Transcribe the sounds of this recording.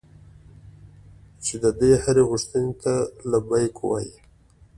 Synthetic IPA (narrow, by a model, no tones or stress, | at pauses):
t͡ʃed̪əd̪ehaɾeɣʊʂt̪ənet̪alabajkowa̰ji